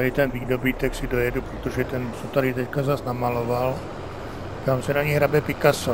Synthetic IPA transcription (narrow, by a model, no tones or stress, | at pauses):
aɾit̪ɛnviːdobiːt̪ɛksidojɛdupɾɛt̪oʒɛt̪ɛnsot̪aɾit̪ɛckazasnamaloval | t̪amsɛnaɲiɦɾabɛpikaso